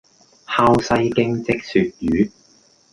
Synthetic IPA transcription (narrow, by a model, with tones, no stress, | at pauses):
haː˧wsɐ˧jkɪ˧ŋt͡sɪ˧k̚syː˨˧t̚jyː˨˥